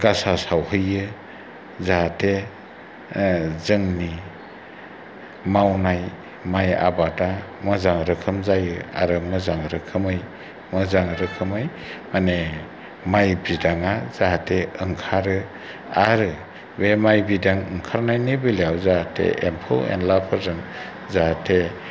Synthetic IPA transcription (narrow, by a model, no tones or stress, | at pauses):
ɡasasawɦɯjɯ | zatʰe | zɯŋni | mawnaj | maja̰batamɯzaŋɾɯkʰɯmzajɯa̰ɾɯmɯzaŋɾɯkʰɯmɯj | mɯzaŋɾɯkʰɯmɯj | mane | majbidaŋazaɦatʰeɯŋkʰaɾɯ | aɾɯ | bemajbidaŋɯŋkʰaɾnajnibiljawzaatʰḛʔempʰɯ̰lɛ̰nlapʰaɾzɯŋ | zaatʰe